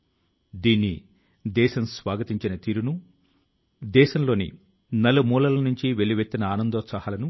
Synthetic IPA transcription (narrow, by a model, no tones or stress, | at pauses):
d̪iːnːi | d̪ɛːʃɐmsʋaːɡɐt̪iɲt͡ʃinɐt̪iːɾunu | d̪ɛːʃɐmlo̞ːnḭ | nɐlumuːlɐlɐnuɲt͡ʃiʋeɭːiʋet̪ːinɐaːnɐnd̪oːsɐɦaːlɐnu